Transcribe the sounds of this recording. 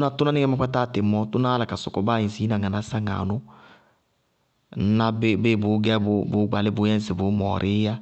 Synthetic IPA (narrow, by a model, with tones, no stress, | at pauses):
na˦tʊ˦na˦nɪ˦ɛ˦ma˦k͡pʷɛ˦taː˦˨tɪ˨mɔ˦tʊ˦na˦la˨ka˨sʊ˨kɔ˨˦ba˦˨jĩ˨si˨˦nã˨ŋa˨na˦sa˦ŋa̰˨nʊ˦ | n̩˦na˦be˦be˦˨bʊ˨˦ɡɛ˦bʊ˦bʊ˨˦ɡ͡ba˨lɪ˦bʊ˨˦jɛ˦sɪ˨bʊ˨˦mɔ̰ː˨ɾʔɪ˦ja˦